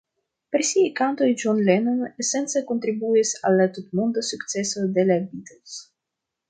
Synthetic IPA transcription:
peɾisiajkant̪o̞jd͡ʒonlenanese̞nt͡seko̞nt̪ɾibuisalːatutmond̪asukt͡se̞so̞de̞labit̪els

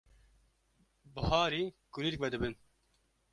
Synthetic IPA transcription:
bɨhɑːɾiːkuliɾk̚vɛd̪ɨbɨn

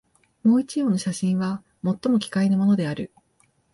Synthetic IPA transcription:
mo̞ːit͡ɕijo̞ːnoɕaɕĩɰ̃βa | mo̞t̪ːo̞mo̞kʲi̥kainamo̞no̞d̪e̞aɾɯ̟

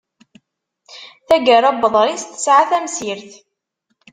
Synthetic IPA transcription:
θæɡəɾˤæbəðˤɾist̪ə̥sʕaθæmsiɾθ

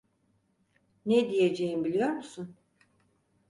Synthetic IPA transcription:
ned̪ije̞d͡ʒejimbilʲijo̞ɾmusun

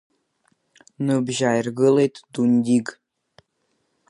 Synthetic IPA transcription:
nɨbʒajrɡɨlet̪d̪unʲd̪ʲiɡ

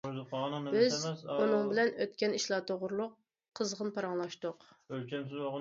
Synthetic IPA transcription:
ozɨp̚qʰɑʁnɨbɪzunɨŋbɪlɛnøt̪kʲɛniʃlˠɑːt̪ʰoʁʊɾlˠʊqʰː | əzʁənpɑɾɑŋlˠɑʃt̪ʊq | ølkʲɛmsɪzwɑʁ

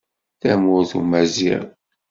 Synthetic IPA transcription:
θæmʊɾθumæzḭɾ

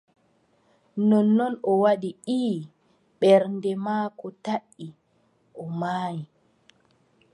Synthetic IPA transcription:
nɔnːɔnɔwaɗiʔiː | ɓɛɾndɛmaːkɔtaʔːi | ʔɔmaːji

